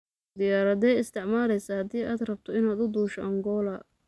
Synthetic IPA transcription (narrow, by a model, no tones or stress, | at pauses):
d̪ɪjaːɾɐd̪ɛːɪst̪ʰɪʕmaːlɛjsɐhɐd̪iːʔaːd̪rɐb̚t̪ʰɔɪnaːd̪ʊd̪uːʃɔʔɐŋɡɔːlɐ